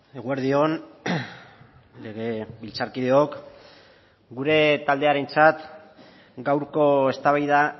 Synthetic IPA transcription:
e̞ɣueɾðio̞n | le̞ɣ̞e̞βilt͡saɾkið̞eok | ɡuɾe̞t̪ald̪e̞aɾe̞nt͡sat̪ | ɡawɾko̞e̞st̪aβajða

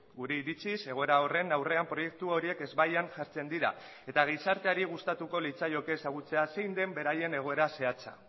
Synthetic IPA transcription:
ɡuɾe̞iɾit͡sise̞ɣ̞o̞eɾao̞re̞nawre̞ampɾo̞je̞k̚t̪uo̞ɾie̞ke̞zβajanʝaɾt͡se̞nd̪iɾa̰ | et̪aɣ̞isaɾt̪e̞aɾiɣ̞ust̪at̪uko̞lit͡sajo̞ke̞ːsaɣ̞ut͡se̞ase̞jnd̪e̞mbe̞ɾaje̞ne̞ɣ̞o̞e̞ɾase̞at͡sa̰

